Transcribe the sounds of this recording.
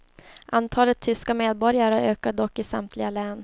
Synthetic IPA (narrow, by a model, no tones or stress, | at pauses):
ʔant̪ʰɑːlət̪ʰːʏskameːd̪̚bɔɾjaɾəøːkad̪ɔkːɪsa̰mt̪ʰlɪɡalɛːn